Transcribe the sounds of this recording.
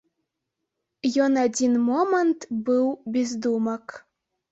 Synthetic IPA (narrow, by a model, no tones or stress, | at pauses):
jɔnad͡zʲinmɔmənt̪bɨwbʲezd̪umɐk